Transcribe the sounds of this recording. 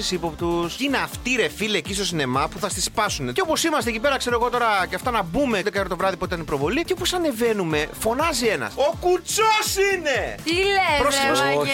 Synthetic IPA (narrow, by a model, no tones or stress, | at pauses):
isipo̞pt̪usineɐft̪iɾefileːcist̪o̞sine̞mɐpuθɐst̪ispɐsuneceopo̞simɐst̪eecipe̞ɾɐkse̞ɾoe̞ɣo̞t̪o̞ɾɐceɐft̪ɐnɐbume̞ðekɐeɾot̪o̞vɾɐðipuit̪ɐnipɾo̞vo̞lieopo̞sɐne̞ve̞nume̞fo̞nɐzie̞nɐ̰sokut͡sosinet̪ilepɾos